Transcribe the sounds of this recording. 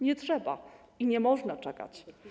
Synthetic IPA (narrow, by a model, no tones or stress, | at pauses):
ɲɛtʂɛba̰ | iɲɛmɔʐnat͡ʂɛka̰t͡ɕ